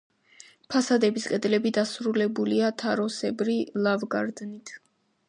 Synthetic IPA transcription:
pʰasad̪ɛbisqʼɛd̪lɛbid̪asɾulɛbuliat̪ʰaɾɔsɛbɾilˠavɡa̰ɾd̪nit̪ʰ

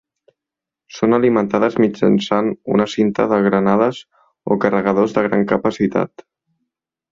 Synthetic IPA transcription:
sonəlimənt̪aðəzmid͡ʒə̰nsanṵnəsint̪ə̰ðəɣɾənaðəz | o̰kərəɣ̞əðozðəɣɾaŋkəpəsit̪a̰t̪

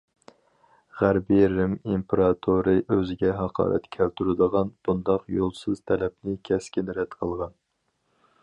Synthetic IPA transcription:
ʁæɾbiɾɪmimpʰeɾɑt̪ʰuɾɨʔøzɪɡʲɛɦɑqʰɑ̰ːɾʔɛ̰t̪kʲʰɛlt̪ʰuɾɨd̪əʁɑnb̥und̪ɑqjolˠsɨz̥t̪ʰɛlɛpnɪkʲʰɛskʲind̪ɾɛt̪qʰəlˠʁɑn

